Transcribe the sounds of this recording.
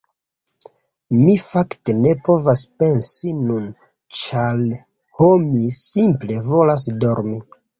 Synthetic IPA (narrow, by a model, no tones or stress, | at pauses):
mifaktene̞po̞vaspe̞nsinun | t͡ʃal | homisimplevo̞las̬do̞ɾmi